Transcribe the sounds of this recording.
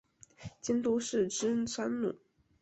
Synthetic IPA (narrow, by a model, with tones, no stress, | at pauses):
t͡ɕi˥nt̪u˥ʂɻ̩˥˩ʈ͡ʂɻ̩˥nsʰwa˥nnu˨˩˦